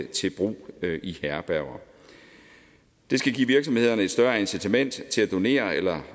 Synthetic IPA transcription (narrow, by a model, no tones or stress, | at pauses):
t͡sʰe̝b̥ʁṵːihæɐb̥æɐʊɐ | d̥e̝sɡ̥æɡ̥ḭːʋiɐɡ̥sɒ̽mhe̝ð̰ˠɐnəe̝d̥sd̥ɶɐensit͡sʰæmen̰d̥t͡sʰe̝læd̥o̝ne̝̰ːɐelɐ